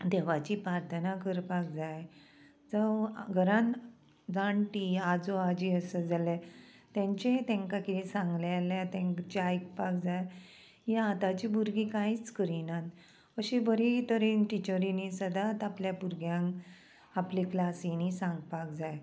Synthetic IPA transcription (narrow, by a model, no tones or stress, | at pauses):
d̪eʋat͡ɕipɾaɾt̪ʰənakəɾpak̚d͡zaj | d͡zəɡʱəɾãn | d͡zaɳʈiad͡zoad͡ʑiəsəd͡zale | t̪ɛ̃ɲt͡ɕet̪ẽŋkakiisãŋɡlealjat̪ẽŋt͡ɕeajkpak̚d͡zaj | jeat̪at͡ɕibuɾɡikãit͡skəɾinãn | əɕibəɾit̪əɾiʈit͡ɕəɾinisəd̪at̪apljapuɾɡjãŋ | apliklasinisãŋɡpak̚d͡zaj